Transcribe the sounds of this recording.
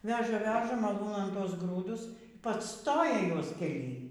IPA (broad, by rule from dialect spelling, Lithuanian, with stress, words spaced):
ˈʋʲæːʒɐ ˈʋʲæːʒɐ mɐˈlˠuːnɐn ˈtuɔs ˈɡruːdʊs ˈpɑːt͡sˈstoːjɛ ˈjuɔs kʲɛˈlʲiː